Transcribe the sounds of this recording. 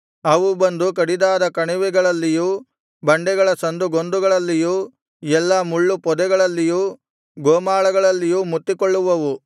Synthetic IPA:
ɐʋubɐnd̪uk̬ɐɽid̪aːd̪ɐkɐɳiʋɛɡɐɭɐlːijuː | bɐɳɖɛɡɐɭɐsɐnd̪uɡond̪uɡɐɭɐlːijuː | ɛlːɐmuɭːupɔd̪ɛɡɐɭɐlːijuː | ɡoːmaːɭɐɡɐɭɐlːijuːmut̪ːikoɭːuʋɐʋu

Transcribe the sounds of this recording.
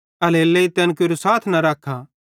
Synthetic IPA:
ɐleːlːeit̪ɛːnkoɾosaːt̪ʰnɐɾaːkʰːa

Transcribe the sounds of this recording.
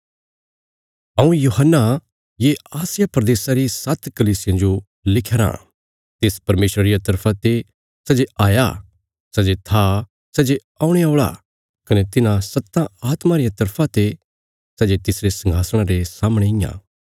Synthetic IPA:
ɐũjuɦənːa | jeaːsɪjapɾɐd̪eːsaɾisɐt̪ʰkɐliːsɪjãd͡ʒo | lɪkʰeɾã̰ː | t̪eːspɐɾmeːʃɾəɾɪjat̪ɐɾpʰãt̪e | sɛd͡ʒeaːja̰ | sɛd͡ʒet̪ʰa | sɛd͡ʒe | aːũɽ̃eaoːɭa̰ | kɐnet̪ɪnãsɐt̪ːãaːt̪maɾɪjat̪ɐɾpʰãt̪e | sɛd͡ʒet̪ɪsɾesɐ̃ŋɡʱaːsəɽ̃ãɾesaːmɽ̃eɪjã̰ː

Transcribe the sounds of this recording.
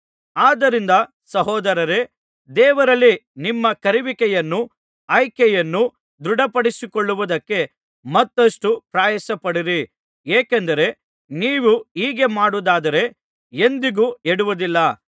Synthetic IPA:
aːd̪ɐɾind̪ɐ | sɐɦɔːd̪ɐɾɐɾe̞ | d̪ɛːʋɐɾɐlːinimːɐkɐɾiʋikɛjɐnːu | ɐjkɛjɐnːu | d̪ɾuɽɐpɐɽisikoɭːuʋud̪ɐkːe̞ | mɐt̪ːɐʂʈupɾaːjɐsɐpɐɽiɾi | eːkɛnd̪ɐɾe̞ | niːʋuiːɡe̞maːɽud̪aːd̪ɐɾe̞ | e̞nd̪iɡueɽuʋud̪ilːɐ

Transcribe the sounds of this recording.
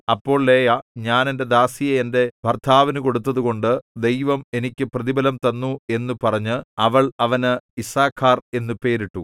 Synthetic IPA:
ɐpːo̞ːɭleːjɐɲaːne̞nde̞d̪aːsijɐːnde̞bʱɐrt̪ʰaːʋinuko̞ɽut̪ːɐðuɣo̞ɳɖɨd̪e̞jʋɐme̞nikʲːɨprɐðibɐlɐmt̪ɐnːue̞nːupɐrɐɲːɨɐʋɐɭɐʋɐnɨisaːkʰːaːre̞nːupe̞ːɾiʈːu

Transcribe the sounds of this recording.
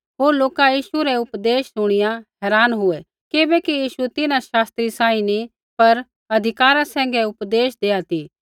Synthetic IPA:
ɦoːɾloːkajiːʃuɾɛʊpd̪eːʃsʊɽ̃ɪjãɦɛːɾaːnɦʊɛ | kɪbɛkijiːʃut̪ɪnãʃaːst̪ɾisãːĩni | pɐɾ | ɐd̪ʱɪkaːɾãsɛ̃ːŋɡɛʊpd̪eːʃd̪eːat̪iː

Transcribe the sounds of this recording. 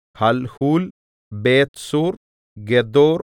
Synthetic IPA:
hɐlhuːl | beːt̪suːɾ | ɡɛd̪oːɾ

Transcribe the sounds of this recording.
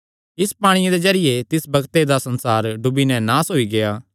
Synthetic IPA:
ɪspaːɽ̃ɪjãd̪ezɐɾɪjet̪ɪsbɐɡt̪ed̪asɐ̃nsaːɾɖʊbinɛ̃naːsɦoːiɡejaː

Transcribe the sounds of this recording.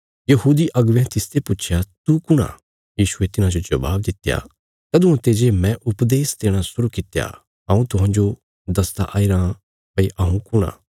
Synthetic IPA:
jɐɦuːd̪iʔɐɡʋɛ̃t̪ɪst̪ʰepʊːt͡ʃʰjat̪ukʊɽ̃a̰ | jiːʃʊet̪ɪnãd͡ʒod͡ʒɐba̰ːb̚d̪ɪt̪ja̰ | t̪ɐːd̪ʊ̃ãt̪eːd͡ʒemɛ̃ʔʊpd̪eːst̪eːɽ̃asʊɾukɪt̪ja̰ | ɦɐ̃ːũt̪ʊɦãːd͡ʒo | d̪ɐst̪a̰ʔaːiɾã | pɐiʔɐũkʊɽ̃a̰ː

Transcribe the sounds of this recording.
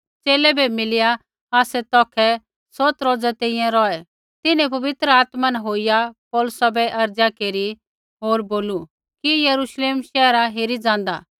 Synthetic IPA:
t͡ʃeːlɛbɛmɪlɪja | aːsɛt̪ɔːkʰɛ | sɔt̪ɾoːd͡zat̪ẽĩjɛ̃ɾɔɛ | t̪ɪnɛ̃p̬ɐʋɪt̪ɾəaːt̪manɦoːijapɔːlʊsabɛʔɐɾd͡zjakeːɾi | ɦoːɾboːlu | kijɐɾuʃleːmʃɛːɾaɦeːɾid͡zãːnd̪a

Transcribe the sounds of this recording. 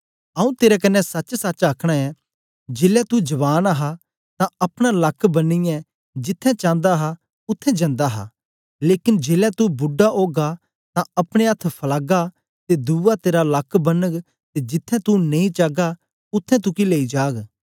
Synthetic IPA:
ɐũt̪eːɾɛkɐnːɛsɐt͡ʃsat͡ʃaːkʰɽ̃aɛ | d͡ʒeːlɛt̪ud͡ʒɐʋaːnaɦa | t̪ãɐpɽ̃alɐkʰbɐnːijɛ | d͡ʒɪt̪ʰːɛ̃t͡ʃãːnd̪aɦa | ʊt̪ʰːɛ̃d͡ʒɐ̃nd̪aɦa̰ | leːkɪnd͡ʒeːlɛt̪ubʊɖːaʔoːɡa | t̪ãɐpɽ̃eɐt̪ʰpʰɐlaːɡa | t̪ed̪uːat̪eːɾalɐkʰːbɐnːəɡ | t̪ed͡ʒɪt̪ʰːɛ̃t̪uneĩt͡ʃaːɡa | ʊt̪ʰːɛ̃t̪̬ʊkileːid͡ʒaːɡ

